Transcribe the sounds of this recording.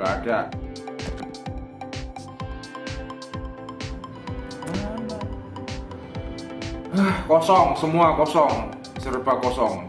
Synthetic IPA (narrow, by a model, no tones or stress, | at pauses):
ada | akɔsɔŋsəmuakɔsɔŋ | səɾəpakɔsɔŋ